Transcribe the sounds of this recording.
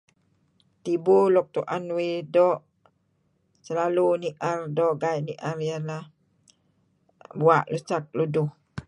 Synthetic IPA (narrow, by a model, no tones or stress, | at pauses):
t̪ibulɔk̚t̪uʔanwedɔʔ | səlaluniʔardɔʔɡajʔniʔarjalah | buaʔlusak̚luduh